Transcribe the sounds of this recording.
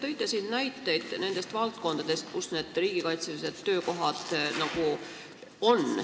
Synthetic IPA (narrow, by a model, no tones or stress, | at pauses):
t̪ɤjt̪ːˑɑsinnæjt̪ːˑe̞jd̪̥ne̞nd̪e̞st̪vɑlt̪̚ko̞nd̪ɑd̪̥e̞st̪̚kusne̞ːd̪̥riːɡ̥ikɑjt̪semise̞t̪ːø̞ːko̞ɦɑd̪̥nɑɡ̥u | o̞n